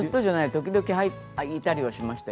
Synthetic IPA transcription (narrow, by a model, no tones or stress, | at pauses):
ɨt̪ːoʑanait̪o̞kʲid̪o̞kʲihai | it̪aɾʲiβaɕimaɕi̥t̪a